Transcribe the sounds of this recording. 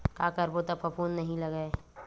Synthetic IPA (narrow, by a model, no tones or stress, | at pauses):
kakəɾbot̪əpʰəpʰuːnːəɦĩləɡəe